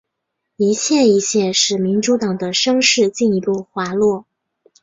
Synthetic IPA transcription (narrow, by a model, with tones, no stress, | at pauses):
i˧˥ɕʰjɛ˥˩i˧˥ɕjɛ˥˧ʂɻ̩˥˩mi˧˥nʈ͡ʂu˧˥t̪ɑ˨˩ŋd̪ə˦ʂɤ˥ŋʂɻ̩˥˧t͡ɕi˥˩ni˧˥pu˥˩xwa˧˥lwɔ˥˩